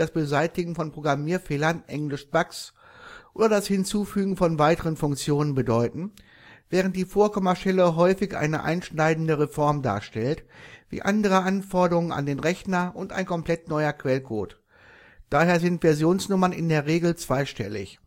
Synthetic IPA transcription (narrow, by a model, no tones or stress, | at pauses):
d̥asb̥əzaɪtɪɡŋ̩fɔnpʁ̥oɡʁamiːɐfeːlɐnʔɛŋlɪʃb̥aks | ʔo̰ːdɐdashɪnt͡suːfyːɡŋ̩fɔnvaɪtəʁənfʊŋkt͡sjoːnənbədɔʏtn̩ | v̥ɛːʁ̞əntd̥iːfoːɐkʰɔmɐʃtɛləɦɔʏfɪçʔa̰ɪnə̰ʔa̰ɪnʃnaɪdn̩dəʁefɔɐmda̰ːɐʃtɛltvḭːʔandəʁ̞əʔanfɔɐdəʁʊŋəna̰ndeːnʁɛçnɐʔʊnta̰ɪnkʰɔmpl̥ɛtnɔʏɐkv̥ɛlkʰo̰ːt | d̥aːheːɐzɪntv̥ɛɐzjoːnsnʊmɐnɪ̰ndeːɐʁeːɡl̩t͡sv̥aɪʃtɛ̰lɪ̰ç